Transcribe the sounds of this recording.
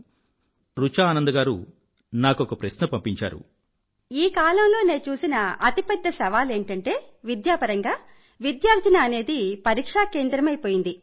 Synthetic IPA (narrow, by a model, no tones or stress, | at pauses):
ɾut͡ʃaːnɐnd̪ɐɡaːɾṵ | naːkɔkɐpɾɐʃnɐpɐmpiɲt͡ʃa̰ːɾṵ | iːkaːlɐmlo̞ːne̞ːt͡ʃuːsinɐɐt̪ipɛd̪ːɐsɐʋaːle̞ːɳʈɐɳʈe̞ːʋid̪jaːpɐɾɐŋɡaː | ʋid̪jaːɾd͡ʒ̪ɐnaːne̞ːd̪ipɐɾiːkʂaːke̞ːnd̪ɾɐmɐjpo̞ːjind̪i